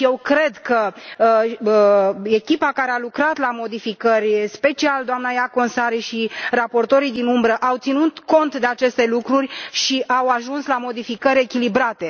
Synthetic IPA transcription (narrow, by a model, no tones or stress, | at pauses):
je̞wkɾe̞d̪kə | e̞kʲipakaɾealukɾat̪lamo̞d̪ifikərʲspe̞t͡ʃiald̪oamnajako̞nsaɾiʃirapo̞rt̪o̞ɾid̪inumbɾəʔawt̪sinut̪ko̞nt̪d̪e̞at͡ʃe̞st̪e̞lukɾurʲʃiʔawaʒunslamo̞d̪ifikəɾʲe̞kʲilibɾat̪e̞